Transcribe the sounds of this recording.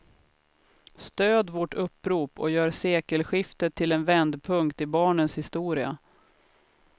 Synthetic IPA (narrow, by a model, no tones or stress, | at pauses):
st̪øːd̪vɔʈɵpːɾuːpɔ̰jœːɾseːkəlɧɪft̪ət̪ʰːɪlɛnvɛnd̪pʰɵŋkt̪ɪbɑːɳənshɪst̪uːɾɪa̰